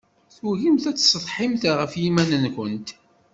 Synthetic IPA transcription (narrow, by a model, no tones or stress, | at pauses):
θwuɣimθæt͡sːsˤəðˤħɪmθʁəfjimænənkənt̪